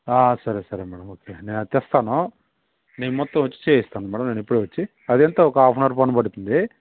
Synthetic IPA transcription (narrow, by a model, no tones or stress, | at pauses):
aːsɐɾesɐɾemɛːɽɐmoːkeːne̞ːnɐt̪ɛst̪aːnu | ne̞ːnumɔt̪ːɐ̃mʋɐt͡ʃːi̥t͡ʃeːjist̪aːnumɛːɽɐmneːnipːuɽuʋɐt͡ʃːi | ɐd̪ɛnt̪ɐːɔkɐaːpʰnɐɾpɐnubɐɽut̪und̪i